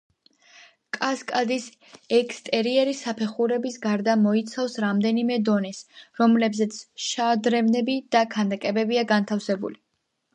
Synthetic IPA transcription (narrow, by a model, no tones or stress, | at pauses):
kʼaskʼad̪is | ɛkʰst̪ʼɛɾiɛɾisapʰɛχuɾɛbisɡaɾd̪amɔit̪sʰafsɾamd̪ɛnimɛd̪ɔnɛsɾɔmlɛbzɛt̪sʰʃad̪ɾɛvnɛbid̪̥akʰand̪akʼɛbɛbiaɡant̪ʰafsɛbṵli